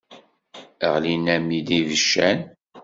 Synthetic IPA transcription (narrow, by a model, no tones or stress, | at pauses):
əʁlinæmid̪ivəʃːæn